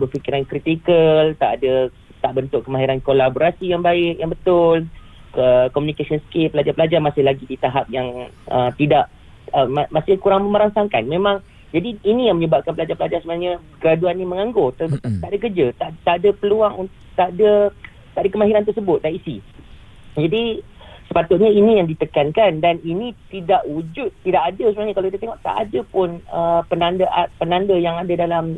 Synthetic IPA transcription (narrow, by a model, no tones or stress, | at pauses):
bəfikiɾankɾit̪ikəlt̪aʔadə | t̪aʔbənt̪ʊʔkəmaɦiɾankolaboɾasijaŋbaɪʔjaŋbət̪ʊl | kəkomunikasiɔnskepəlad͡ʒapəlad͡ʒarmasɪhlaɡidit̪aɦap̚jaŋ | ʔət̪idaʔ | əmamasɪhkuɾaŋməməɾaŋsaŋkanmẽmãŋ | d͡ʒadiːnĩjãŋməɲəbap̚kanpəlad͡ʒapəlad͡ʒarsəbənaɲəkəɾaduanːiməŋaŋɡot̪ət̪aʔadakərd͡ʒət̪aʔt̪aʔadəpəluaŋunt̪ | t̪aʔdə | t̪aʔadəkəmaɦiɾant̪ərsəbʊt̪̚daisi | d͡ʒadi | sə̥pat̪ʊt̪̚ɲainĩjaŋdit̪əkankandaninĩt̪idaʔwud͡ʒʊt̪̚ːidaʔadəsəbənaɲəkalawkit̪at̪eŋɔʔt̪a̰ʔadəpʊnəpənandəʔapənandəjaŋadadalam